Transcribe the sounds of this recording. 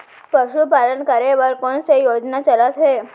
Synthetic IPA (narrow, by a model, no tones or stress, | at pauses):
pəɕupalənkaɾeʋəɾkoɳsejod͡ʒnat͡ʃəlat̪ɦe